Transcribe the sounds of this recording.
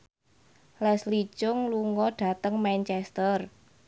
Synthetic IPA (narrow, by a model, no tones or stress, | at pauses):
lɛsli̥t͡ʃʊŋluŋɔɖ̥a̤t̪əŋmant͡ʃɛst̪ər